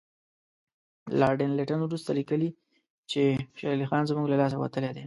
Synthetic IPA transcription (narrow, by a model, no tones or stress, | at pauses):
lɑɾɖɪnleʈanwɾust̪alikəli | t͡ʃeʃɑlixɑnzmuɡlalɑsawa̰t̪əled̪e